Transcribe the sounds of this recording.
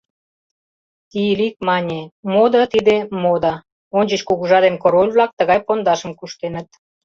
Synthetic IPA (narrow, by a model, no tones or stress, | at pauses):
t̪ilik̚mɑnʲemod̪ɑt̪id̪emod̪ɑ | onʲd͡ʑə̆t͡ɕkuɣuʒɑd̪emkoɾolʲβlɑk̚t̪əɣɑjpond̪ɑʃə̆mkuʃt̪enə̆t̪̚